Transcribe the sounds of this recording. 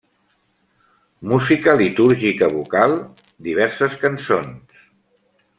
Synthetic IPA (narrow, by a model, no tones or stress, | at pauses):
muzikəlit̪uɾʒikəβukalˠ | d̪iβ̞ɛɾsəskənsons